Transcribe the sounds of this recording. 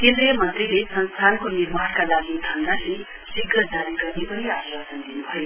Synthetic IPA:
k̪elemʌnt̪riɦesʌnst̪ʰankonirmaɽkalaɡid̪ʱʌnd̪aɦi | siɡːʌd͡zaɾiɡʌrnepʌniaswasʌnd̪inubʱʌjo

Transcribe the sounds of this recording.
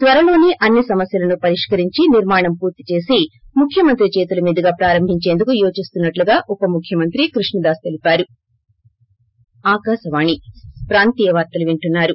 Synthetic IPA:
t̪ʋɐɾɐlo̞ːniʔɐnːisɐmɐsjɐlɐnupɐɾiʂkɐɾiɲt͡ʃiniɾmaːɳɐmpuːɾt̪i̥t͡ʃe̞ːsimukʰjɐmɐnt̪ɾit͡ʃeːt̪ulɐmiːd̪ɐɡaːpɾaːɾɐmbʱiɲt͡ʃe̞ːnd̪ukujoːt͡ʃist̪unːɐʈluɡaːʔupɐmukʰjɐmɐnt̪ɾikɾuʂɳɐd̪aːst̪elipaːɾu | aːkaːʃɐʋaːɳipɾaːnt̪iːjɐʋaːɾt̪ɐluʋiɳʈunːaːɾu

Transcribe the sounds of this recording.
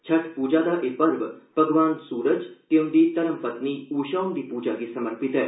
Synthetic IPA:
t͡ʃʰɐʈʰpuːd͡ʒad̪aʔeːpɐɾʋb̥ʱɐɡʋaːnsuːɾəd͡ʒt̪eũnd̪iːt̪ɐɾəmpɐt̪niuːʃaːnd̪ipuːd͡ʒaɡisɐməɾpit̪ɦɛː

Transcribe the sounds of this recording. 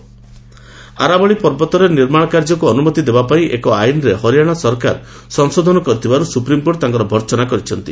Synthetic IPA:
a̰ɾabɔɭipɔɾbɔt̪ɔɾeniɾmaɽ̃ɔkaɾd͡ʒɔkuɔnumɔt̪id̪ebapaiʔekɔajnɔɾehɔɾijaɽ̃ɔsɔɾka̰ɾ | sɔŋsod̪ʱɔnɔkɔɾit̪ʰibaɾusupɾimkoʈt̪ãŋkɔɾɔbʱɔɾt͡ʃɔnakɔɾit͡ʃʰɔnt̪i

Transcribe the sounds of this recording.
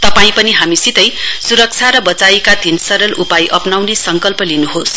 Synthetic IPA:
t̪ʌpaĩpʌniɦamisit̪ʌjsuɾʌk̚t͡sʰaɾʌbʌt͡saikad̪ʱinsʌɾʌlʔupajʔʌpnawnesʌŋkʌlpʌlinuɦos

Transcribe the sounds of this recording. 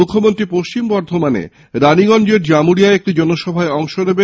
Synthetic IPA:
ukʰːomont̪ɾipoʃt͡ɕimbɔɾd̪ʱomanḛ | ɾaniɡɔnd͡ʑeɾd͡ʑamuɾiaeek̚ʈid͡ʑɔnoʃɔbʱaeɔŋʃonebe

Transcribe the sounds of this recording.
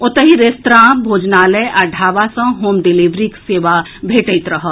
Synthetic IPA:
ʊt̪əɦiɾest̪ɾãːbʱoːd͡ʒnaːləeʔɐɖʱaːʋasɐ̃ɦoːmɖɪliːʋɾikseːʋa | bʱeːʈəɪt̪ɾɐɦə

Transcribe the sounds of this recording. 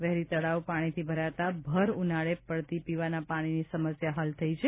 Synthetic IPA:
ʋɛɦɾit̪əɽaʋpaɽ̃it̪ʰibʱəɾat̪abʱəɾunaɭepəɭt̪ipiʋanapaɽ̃inisəməsjaɦalt̪ʰəit͡ʃʰe

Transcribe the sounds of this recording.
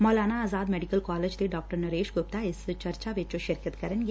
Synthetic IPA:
mɔːlaːnaːzaːd̪mɛːɖɪkəlkaːled͡ʒt̪eɖɔːk̚ʈəɾnɐɾeːʃɡʊp̚t̪aɪst͡ʃɐɾt͡ʃaʋɪt͡ʃoʃɪɾkət̪kɐɾənɡ

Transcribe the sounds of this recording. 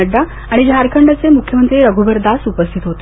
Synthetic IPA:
əɖːa | aɽ̃id͡ʑɦaɾkʰəɳɖət͡semukʰjəmənt̪ɾiːɾəɡubəɾd̪asupəst̪ʰit̪ɦot̪e

